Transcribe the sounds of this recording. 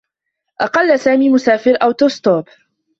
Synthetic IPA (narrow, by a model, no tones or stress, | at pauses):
ʔɑqɑlːsaːmiːmʊsaːfɪɾʔawt̪ʊst̪ˤoːb